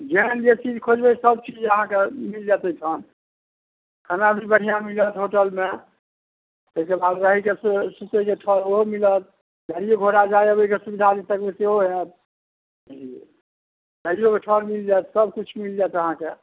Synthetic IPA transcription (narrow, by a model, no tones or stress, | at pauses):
d͡ʒend͡ʒet͡ʃid͡ʒkʰod͡ʒbɛsəb̚t͡ʃid͡ʒəɦãkemild͡ʒat̪əiʈʰən | kʰənabʱibəɽ̤ijãmilət̪ɦoʈəlme | əɦikebad̪ɾəɦikessut̪əkeʈʰəɾoɦomilət̪̚ | ɡəɾieɡʱoɾad͡ʒaeəbəikesubid̪ʱaɾit̪əkbeseɦoɦet̪̚ | d͡ʒi | təɦijokeʈʰəɾmild͡ʒat̪səb̚kut͡ʃʰmild͡ʒat̪əɦãke